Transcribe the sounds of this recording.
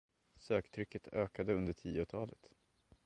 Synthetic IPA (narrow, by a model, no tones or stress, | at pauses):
søːkt̪ʰɾʏkːət̪ʰøːkad̪əɵnd̪əʈʰḭːʊt̪ʰɑːlət̪